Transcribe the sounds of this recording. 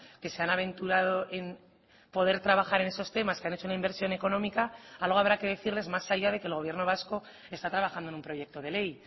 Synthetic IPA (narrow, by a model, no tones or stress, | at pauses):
ke̞se̞anaβ̞e̞nt̪uɾað̞o̞ʔe̞n | po̞ð̞e̞ɾt̪ɾaβaxaɾe̞ne̞so̞st̪e̞maskeane̞t͡ʃo̞unaimbe̞ɾsjo̞ne̞ko̞no̞mikaalɣ̞o̞aβ̞ɾake̞ðe̞θiɾle̞zmasaʝað̞e̞keːlɣ̞o̞βje̞rno̞β̞asko̞ | e̞st̪at̪ɾaβ̞axand̪oe̞nũmpɾo̞je̞k̚t̪o̞ð̞e̞le̞j